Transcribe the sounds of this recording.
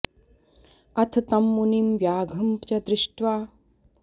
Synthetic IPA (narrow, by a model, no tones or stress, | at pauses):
ɐt̪ʰt̪ɐmːunimʋjaːɡʱɐmpt͡ʃɐd̪ɾɪʂʈʋaː